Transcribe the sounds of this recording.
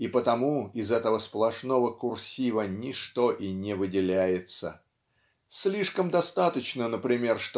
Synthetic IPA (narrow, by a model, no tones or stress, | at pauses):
ipət̪ɐmuɪzɛt̪əvəsplˠɐʂno̞vəkʊrsʲivənʲɪʂt̪oʔinʲɪvɨdʲɪlʲæjɪt̪sə̰ | sʲlʲiʂkəmd̪ɐst̪at̪ət͡ɕnənəpɾʲɪmʲe̞rʂt̪